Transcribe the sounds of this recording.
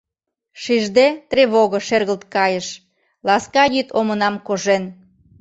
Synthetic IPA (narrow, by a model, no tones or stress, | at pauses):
ʃiʒd̪et̪rʲeβoɣə̆ʃerɣəlt̪̚kɑjə̆ʃ | lɑskɑjyt̪ʰomənɑmkoʒen